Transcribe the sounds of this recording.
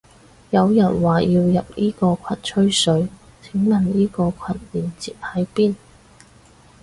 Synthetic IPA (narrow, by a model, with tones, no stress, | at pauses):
jɐ˨˧wjɐ˨˩nwaː˨jiː˧wjɐ˨p̚niː˥kɔː˧kʷʰɐ˨n̚t͡ʃʰɵ˥ɥsɵ˨˧˥ɥ | t͡sʰɪ˨˥ŋmɐ˨nniː˥kɔː˧kʰɐ˧˨t̚liː˨˩nt͡siː˨p̚hɐ˨˥jpiː˥n